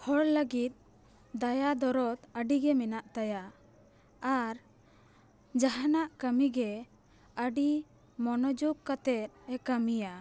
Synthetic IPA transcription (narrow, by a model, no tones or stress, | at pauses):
hɔɽləɡit̪̚ˀ | d̪ajad̪ɔɾɔt̪əɖiɡɛmɛnaʔt̪aja | aɾ | d͡ʒaɦanaʔkəmiɡɛ | əɖi | mɔnɔd͡ʒuɡkat̪ɛt̪̚ɛkəmija